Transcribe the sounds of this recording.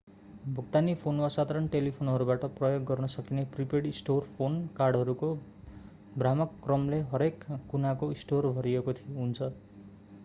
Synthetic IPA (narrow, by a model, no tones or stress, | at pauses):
bʱuk̚t̪anipʰonwasad̪ʱaɾʌnʈelipʰonɦʌɾubaʈʌprʌjoɡːʌrnʌsʌkinepripeɽisʈorpʰonkarɽɦʌɾuko | bramʌkːrʌmleɦʌɾekːunakoisʈorbʱʌɾiekot̪ʰijoɦunt͡sʰʌ